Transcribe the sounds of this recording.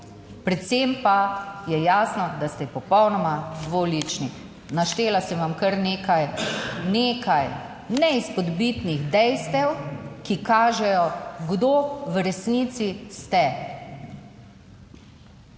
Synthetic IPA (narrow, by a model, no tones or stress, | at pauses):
pɾɛt̪sempajɛjaːsnɔd̪ast̪ɛpɔpɔwnɔmad̪ʋolit͡ʃni | naʃt̪eːlasɛʋamkəɾnekajneːkaj | nɛispɔd̪bit̪niɣd̪ɛjst̪ɛwkikaːʒɛjɔɡd̪oʋɾɛsnit̪sist̪ɛ